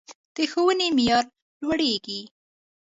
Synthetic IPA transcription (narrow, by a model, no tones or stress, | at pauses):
d̪̥əxowənemijɑɾ | lwaɽeɡi